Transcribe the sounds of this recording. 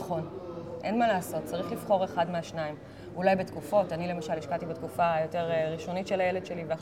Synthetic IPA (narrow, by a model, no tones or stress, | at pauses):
χo̞nʔenmalaːso̞t̚t͡saʁiχlifχo̞ʁe̞χadmeaʃnaim | ulajbetkufo̞tanile̞maʃaliʃkatibetkufajo̞te̞ʁeʁiʃo̞nitʃelajele̞dʃelivelaχ